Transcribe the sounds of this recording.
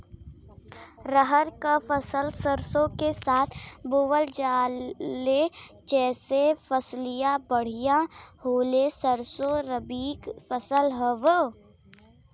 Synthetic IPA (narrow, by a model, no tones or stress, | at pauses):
ɾəɦəɾkafəsəlsəɾsõkesaːt̪ʰboːwəld͡ʒaː | et͡ʃɛːsefəslijabəɽ̤ijahoːlesəɾsoɾəbiːkfəsəlɦəʋə